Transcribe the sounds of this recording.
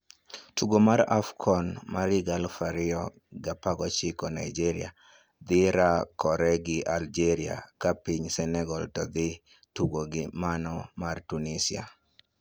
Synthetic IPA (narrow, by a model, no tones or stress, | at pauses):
tuɡomaɾa̰fkʰɔnmaɾɪɡalfaɾɪɔ | ɡapaɡɔt͡ʃɪkɔnaid͡ʒiɾɪa | d̪ɪɾakɔɾɛɡɪʔald͡ʒeɾia̰kapiɲsɛnɛɡɔltɔd̪ɪ | tuɡoɡɪmanɔmartunisia̰